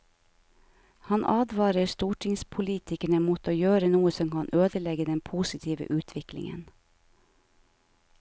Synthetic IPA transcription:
hɑnʔɑːd̪ʋɑːɾəɾst̪uːʈʰɪŋspʰʊliːt̪ɪkəɳəmuːt̪ʰoːjøːɾənuːəsɔmkɑnʔøːd̪əlɛɡəd̪ɛnpʰuːsɪt̪ʰiːʋə̰ʔʉːt̪ʰʋɪklɪ̰ŋə̰n

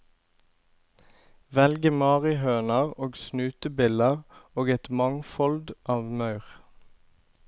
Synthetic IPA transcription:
ʋɛlɡəmɑːʁɪhøːnɑʁoːɡsnʉːt̪əbɪləʁoːɡɛt̪mɑŋfɔld̪ʔɑːʋmɑʉʁ

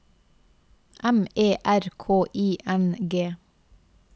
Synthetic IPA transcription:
ʔɛmeːʔæɾkʰoːʔiːʔɛnɡeː

